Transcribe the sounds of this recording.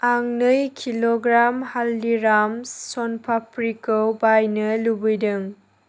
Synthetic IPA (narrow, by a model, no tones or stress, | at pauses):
aŋnɯjkʰiloɡɾamhalːiɾamsɔnpʰapʰɾikowbajnɯlubɯjdɯŋ